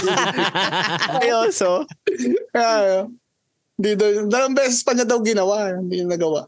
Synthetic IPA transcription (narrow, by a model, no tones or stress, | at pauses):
ɐjoso | ajo | nd̪id̪od̪ɐlɐmbɛːsɛspɐɲad̪ɐwɡɪnɐwaʔ̪d̪ijʊŋnɐɡɐwa̰ʔ